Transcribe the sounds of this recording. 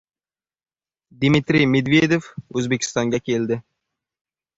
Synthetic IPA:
d̪mit̪ɾijmed̪ved̪efɵzbekʰʲi̥st̪ɒŋɡʲakʲʰeld̪ɪ

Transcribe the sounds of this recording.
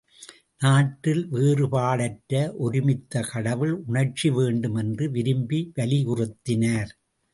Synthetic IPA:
naːʈːɪlʋeːrɯpaːɭɐʈːɾɐʔɔɾɪmɪt̪ːɐkɐɽɐʋɪlʊɳɐrt͡ʃiʋeːɳɖɯmɛndrɯʋɪɾɯmbiʋɐlɪʊrɯt̪ːɪnaːɾ

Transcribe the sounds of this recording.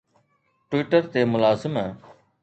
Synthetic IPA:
ʈwiːʈəɾt̪eːmʊlaːzɪmɦɛ̃ː

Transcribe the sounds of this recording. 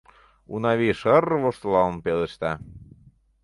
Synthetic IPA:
ṵnɑβiʃərβoʃt̪lɑlnpelĕʃt̪ɑ

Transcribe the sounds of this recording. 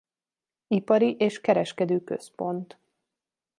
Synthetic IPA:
ipɒɾiʔeːʃkɛɾɛʃkɛd̪øːkø̰spo̞nt̪

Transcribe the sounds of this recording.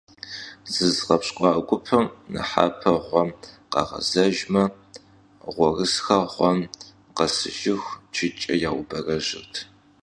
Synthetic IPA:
z̥ɨzʁɐpɕʼqʷʼɑːɡʷʊpʰɐmnɨ̰ħa̰ːpʰɐʁʷɔm | qɑ̰ʁɐ̰zɐʒmɐ | ʁʷɔrɨsxɐʁʷɔm | qɐsɨ̰ʒɪxʷt͡ʃʰɪt͡ʃʼɐjaːwʊbɐrɐʑɪrtʰ

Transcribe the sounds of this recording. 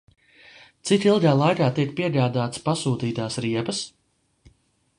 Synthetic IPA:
t̪sit̪ilˠɡaːlˠajkaːt̪ikpiɛɡaːd̪aːt̪spasuːt̪iːt̪aːsɾiɛpəs

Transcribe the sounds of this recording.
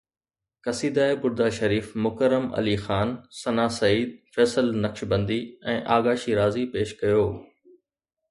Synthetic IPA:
kɐsiːd̪aːebʊɾd̪aːʃɐɾiːfmʊkəɾːəmɐ̰lixaːnsɐnaːsɐiːd̪̚fɛːsəlnɐkʃbɐ̃nd̪iɛ̃ːʔaːɡaːʃiɾaːzipeːʃkɐjoː

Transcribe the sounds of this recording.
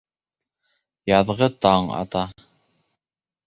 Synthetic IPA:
jɑðʁɤt̪ɑɴɑ̰t̪ɑ

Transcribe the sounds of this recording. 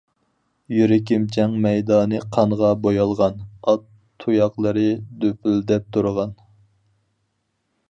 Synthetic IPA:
jyɾɪkʲimt͡ʃʰɛŋmɛjd̪ɑːnɨqʰɑɴʁɑbojɑlˠʁɑnɑt̪ʰːujɑqlˠəɾɨd̪øpʰyld̪ɛp̚t̪ʰuɾʁɑn

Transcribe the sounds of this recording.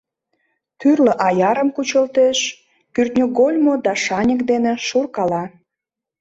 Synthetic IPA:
t̪yrləʔɑjɑɾəmkut͡ɕəlt̪eʃ | kyrt̪nʲoɡolʲmod̪ɑʃɑnʲəkd̪enĕʃurkɑlɑ

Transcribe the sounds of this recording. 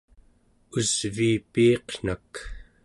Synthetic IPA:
uz̥viːpiːqn̥ak

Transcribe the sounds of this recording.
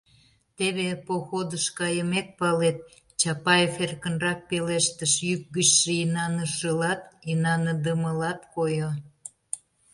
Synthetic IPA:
t̪eβepoxod̪əʃkɑjəmek̪̚pɑlet̪̚ | t͡ɕɑpɑjeferkənrɑk̚peleʃt̪əʃjyk̚ɡət͡ɕʃəinɑnəʃəlɑt̪inɑnəd̪əməlɑt̪kojo

